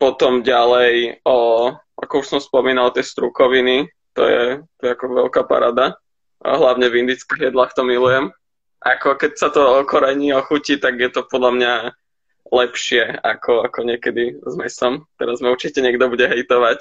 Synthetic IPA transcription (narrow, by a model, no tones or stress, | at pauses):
pɔt̪ɔmɟalɛjɔ | a̰kɔuʃsɔmspɔmiːnalˠt̪jɛst̪ɾukɔʋini | t̪ɔ̰jɛ̰t̪ɔjɛakɔʋɛ̰lkapa̰ɾaːd̪a̰ | ɦlaʊɲɛvind̪iːt͡skiɣjɛd̪laːxt̪ɔmilujɛm | ʔakɔkɛcsat̪ɔɔkɔɾɛɲiɔxucit̪aɡjɛt̪ɔpɔd̪lamɲa | lɛpʃɪɛakʰɔakɔɲɪɛkɛd̪izmɛsɔmt̪ɛɾazmauɾt͡ʃicɛɲɛɡ̚d̪ɔbuɟɛɦɛjt̪ɔʋac